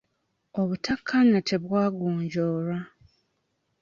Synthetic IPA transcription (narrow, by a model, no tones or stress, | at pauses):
oβutakʰːanatʰe̞βwaːɡuːɲɟoːɾa